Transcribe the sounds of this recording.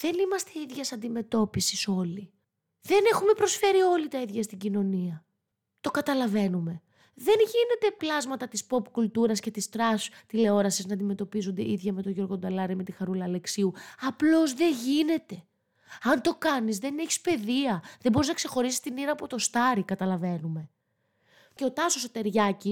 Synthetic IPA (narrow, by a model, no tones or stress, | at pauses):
ðe̞nimɐst̪e̞iðʝɐsɐnd̪ime̞t̪o̞pisi̥so̞li | ðe̞ne̞xume̞pɾo̞sfe̞ɾio̞lit̪ɐiðʝɐst̪iɟino̞niɐ | t̪o̞kɐt̪ɐlɐve̞nume̞ | ðe̞nʝine̞t̪e̞plɐzmɐt̪ɐt̪ispo̞pkult̪uɾɐsce̞t̪ist̪ɾɐst̪ile̞o̞ɾɐsiznɐnd̪ime̞t̪o̞pizund̪e̞̰ʔiðʝɐme̞t̪o̞ʝo̞ɾɣo̞d̪ɐlɐɾime̞t̪ixɐɾulɐːle̞ksiuɐplo̞zðe̞ʝine̞t̪e̞ | ɐnt̪o̞kɐnizðe̞neçi̥spe̞ðiɐðembo̞ɾiznɐkse̞xo̞ɾisi̥st̪iniɾɐːpo̞t̪o̞st̪ɐɾikɐt̪ɐlɐve̞nume̞ | ce̞o̞t̪ɐsosot̪e̞ɾʝɐci